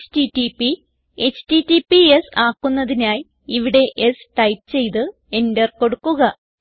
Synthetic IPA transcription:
titipi | et͡ɕtitːipiesaːkːunːɐðinaːj | iʋiɽe̞ʔesʈɐjpt͡ɕe̞jt̪ɨ | e̞ndɐrko̞ɽukːuɣɐ

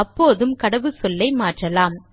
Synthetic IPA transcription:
ɐpːoːðɯmkɐɽɐʋɯsɔlːɐɪmaːʈrɐlaːm

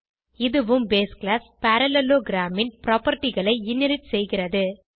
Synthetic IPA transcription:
ɪðɯʋɯmbeːsklaːspɐɾɐlɛloːɡɪɾaːmɪnpɪɾaːpɐɾʈːɪɣɐɭɐɪɪnːɪɾɪtsɛjɣɪrɐðɯ

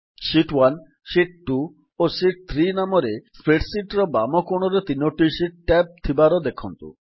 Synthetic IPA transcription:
ʃiʈwan | ʃiʈ̚ʈu | oʃiʈ̚t̪ʰɾinamoɾespɾeʈsiʈɾɔbamokoɽ̃oɾet̪inoʈiʃiʈ̚ʈɛp̚t̪ʰibaɾod̪ekʰunt̪ṵ

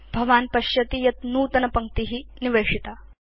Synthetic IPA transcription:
bʱɐʋaːnpɐɕjɐt̪iːjɐt̪nuːt̪ɐnɐpɐŋkt̪iɦiːniʋeːʂit̪a

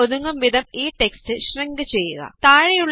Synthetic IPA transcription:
oðuŋːɐmʋid̪ʱɐmiːʈe̞kstɨɕrɐŋɡɨt͡ɕe̞jːuɣɐ̰t̪aːɻɐjuɭː

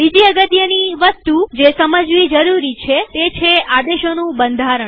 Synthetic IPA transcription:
bid͡ʒiəɡət̪jəniʋəst̪ud͡ʒesəməd͡ʒʋid͡ʒəɾuɾit͡ʃʰet̪et͡ʃʰeʔad̪eʃonũbənd̪ʱaɾəɳ

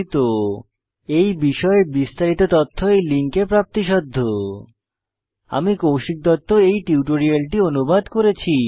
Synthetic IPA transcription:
t̪o | ejbiʃɔebist̪aɾit̪ot̪ɔt̪ʰːoejliŋkepɾap̚t̪iʃɔd̪ʱːo | a̰mikowʃik̚d̪ɔt̪ːoejʈiuʈoɾialʈionubad̪koɾet͡ɕʰi

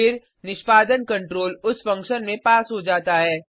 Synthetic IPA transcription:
ɪɾ | nɪʃpaːd̪ənkɐ̃ɳʈɾoːlʊsfɐ̃ŋkʃənmẽpaːsɦod͡ʒaːt̪aɦɛː

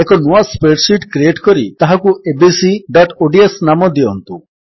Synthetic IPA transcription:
ekɔnuaspeʈsiʈkɾieʈkɔɾḭt̪aɦakuebisiɖɔʈoɖiesnamɔd̪iɔnt̪u

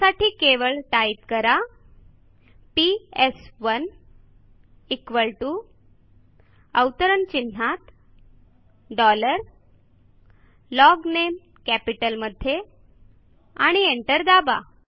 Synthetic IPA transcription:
saʈiːkeʋəɭʈaip̚kəɾa | piesʋən | ikʋəɭʈu | əwt̪əɾənt͡ɕin̤ːat̪ | ɖɔləɾ | lɔɡnem | kæpiʈəlməd̪ʱːje | aɽ̃ieɳʈəɾd̪aba̰

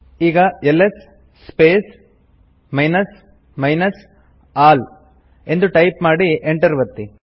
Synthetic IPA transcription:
iːɡɐeles | speːs | mɐjnɐs | mɐjnɐs | aːl | e̞nd̪uʈɐjpmaːɽiʔeɳʈɐɾʋɐt̪ːi

